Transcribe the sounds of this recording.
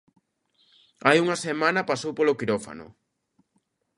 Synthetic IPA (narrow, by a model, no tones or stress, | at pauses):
ajuŋɐsemãnɐpasowpolokiɾofa̰nʊ̰